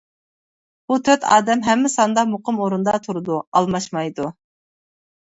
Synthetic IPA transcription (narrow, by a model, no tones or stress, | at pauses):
b̥ut̪ʰøt̪ʰɑ̰ːd̪ɛmɦɛmːɪsɑnd̪ɑmuqʰəmoɾund̪ɑt̪ʰuɾɨd̪uɑlˠmɑʃmɑjd̪u